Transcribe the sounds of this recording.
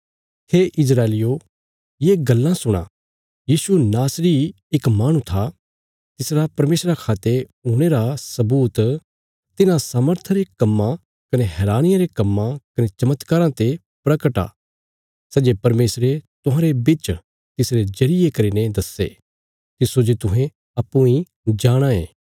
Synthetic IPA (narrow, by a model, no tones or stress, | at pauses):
heːʔɪs̬ɾaːelɪjo | jeːɡɐlːãsʊɽ̃a̰ | jiːsunaːsɾiː | ɪkmaːɽ̃ũt̪ʰa | t̪ɪsɾapɐɾmeːsɾakʰaːt̪e | uɽ̃eɾasɐbuːt̪ | t̪ɪnãsaːməɾt̪ʰɾekɐmːã | kɐneɦɛːɾaːnɪjãɾekɐmːãkɐnet͡ʃɐmət̪kaːɾãt̪e | pɾɐkəʈa̰ː | sɐd͡ʒepɐɾmeːsɾet̪ʊɦãɾebɪt͡ʃ | t̪ɪsɾed͡ʒɐɾɪjekɐɾiːned̪ɐsːḛ | t̪ɪsod͡ʒot̪ʊɦẽ | ɐpːũĩ | d͡ʒaːɽ̃ãẽː